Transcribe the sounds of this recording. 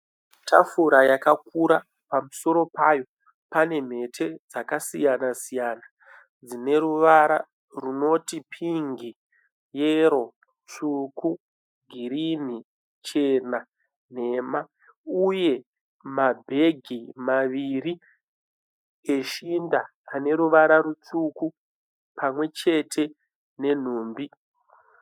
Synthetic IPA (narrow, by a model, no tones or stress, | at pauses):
tʰafuɾajakakuɾa | pamuso̞ɾo̞pajo̞ | pane̞m̤e̞tʰe̞d͡zakasijanasijana | d͡zine̞ɾuʋaɾa̰ | runo̞tipʰiŋɡi | jeɾo̞ | t͡suku | ɡʱiɾin̤i | t͡ʃe̞na | n̤e̞ːma | uje̞ | mabʱe̞ɡʱimaʋiri | e̞ʃindaː | ne̞ɾuʋaɾaɾut͡suku | pʰamwe̞t͡ʃe̞tʰe̞ | ne̞n̤uːmbi